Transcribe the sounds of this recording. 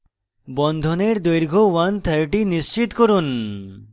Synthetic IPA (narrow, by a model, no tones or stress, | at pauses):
bɔnd̪ʱoneɾd̪ojɾɡʱowant̪ʰəɾʈiniʃt͡ɕit̪koɾun